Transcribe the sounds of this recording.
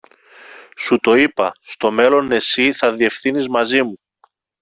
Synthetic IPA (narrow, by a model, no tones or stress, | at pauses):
sut̪o̞ipɐst̪o̞me̞lo̞ne̞siθɐðie̞fθinizmɐzimu